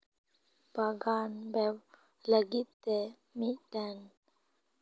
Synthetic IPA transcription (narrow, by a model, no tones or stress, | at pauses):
baɡanbɛw | ləɡit̪ːɛ | miɖan